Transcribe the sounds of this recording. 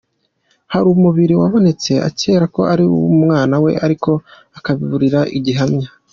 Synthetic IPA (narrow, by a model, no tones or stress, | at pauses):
haɾumuβiɾiwaβo̞net͡se̞ʔa̰ce̞ːɾako̞ʔaɾiumŋaːnawe̞̰aɾiko̞ | akaβiβuɾiɾaʔiɟiɦamɲa